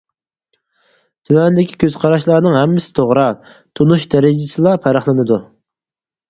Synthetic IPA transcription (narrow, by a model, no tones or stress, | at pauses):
t̪ʰymɛnd̪ɪkʲi̥kʲʰøz̥qʰɑɾɑʃlˠɑɾnɨŋɦɛmːɪsɪ̥t̪ʰoʁɾɑ | t̪ʰunuʃd̪ɛɾɪd͡ʒɪsɨlˠɑpʰæɾɑχlˠɨnɨd̪u